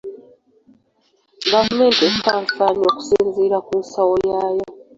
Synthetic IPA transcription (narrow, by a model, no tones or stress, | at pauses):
ɡavume̞ːntestaːɱfaɲo̞ːku̥siːnziːɾakunsawojaːjo